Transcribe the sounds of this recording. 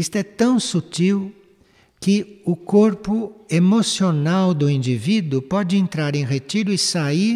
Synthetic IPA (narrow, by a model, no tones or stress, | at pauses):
ist̪ʊɛt̪ɐ̃w̃sut͡ʃiw | kɪʊkoɾpʊemosionawd̪ʊĩnd͡ʒivid̪ʊpɔd͡ʒɪẽnt̪ɾaɾẽj̃ʁet͡ʃiɾʊɪsai